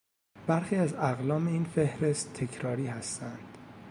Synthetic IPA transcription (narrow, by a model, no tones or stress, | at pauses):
b̥æɾxiːæzæɣlɒːme̞iːnfe̞hɾe̞st̪ʰːe̞cʰɾɒːɾiːhæst̪ænd̪̥